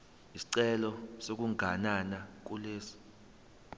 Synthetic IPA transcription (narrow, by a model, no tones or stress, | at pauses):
isi̥ǀɛlɔsok̬uŋɡʱananak̬uleːsi̥